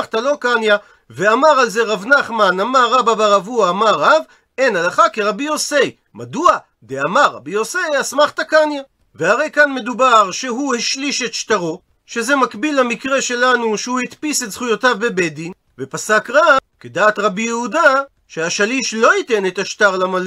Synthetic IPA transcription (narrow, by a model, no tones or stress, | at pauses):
χt̪alo̞kanja | veamaʁalzeʁavnaχmanamaʁːababaʁavuaːmaʁav | e̞nalaχakeʁabijo̞sej | madua | d̪eamaʁa̰biosejasmaχt̪akanja | veaʁe̞jkanme̞d̪ubaʁʃe̞ɦuhiʃliʃe̞t̪ʃtaʁo̞ | ʃe̞ze̞makbilamikʁe̞ʃe̞lanuʃehuit̪pisetz̥χujotavbe̞bedin | vepasakʁakedaːt̪ʁabijehuda | ʃeaʃaliʃlo̞ite̞net̪aʃtaʁlamal